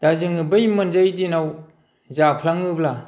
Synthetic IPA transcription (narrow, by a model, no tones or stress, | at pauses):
d̥azɯŋɯbɯjmɯnzajdinaw | zapʰlaŋɯbla